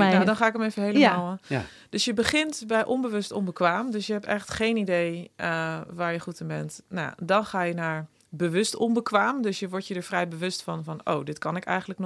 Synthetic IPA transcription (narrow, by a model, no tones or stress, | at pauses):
nadɔnχaːɪkəmejvəɦejləmːaːlˠ | d̥ɵsjəbəχɪntbɛjʔɔnbəʋɵstɔ̰nbəkʋaːmdøsjəɦɛpɛχtχejnidej | ʋaːɹjəχutɪnbɛntnadɔnχaːjənaːɹ | bəʋɵstɔnbəkʋaːmdɵsjəʋɔɹtjədəɹfrɛjbəʋɵstfɑnfɑno̰wdɪtkɑnɪkɛ̰jχənləkn